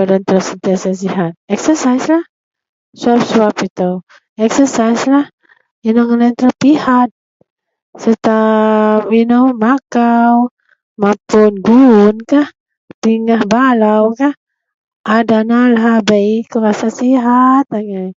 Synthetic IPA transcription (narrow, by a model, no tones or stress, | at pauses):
adant̪əɾəsənt̪iasas̬iɦat̪̚ɛksəsajslah | suap̚suapit̪aw | ɛksəsajslah | inoŋənant̪əɾəpihat̪̚ | sət̪apinowmakaw | mapʊnɡunkah | t̪iŋahbalawkah | adanalaɦabaikəɾasasiɦat̪aŋaj